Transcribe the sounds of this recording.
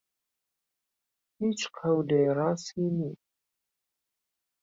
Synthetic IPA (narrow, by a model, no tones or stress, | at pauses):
it͡ʃʷʰʼqʰawdejrasini